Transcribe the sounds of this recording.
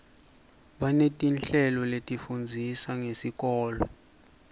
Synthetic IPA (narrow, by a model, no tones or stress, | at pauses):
ɓanetʼinɬɛlɔletʼifund͡zʱisaŋesik̬ʼɔːlɔ